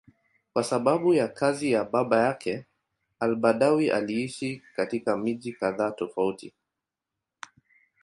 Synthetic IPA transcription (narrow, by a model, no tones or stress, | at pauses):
kwasaɓaɓujakʰazijaɓaɓajakʰɛ | albaɗawiʔa̰liiʃikatikamiʄikaðaːtɔfautḭ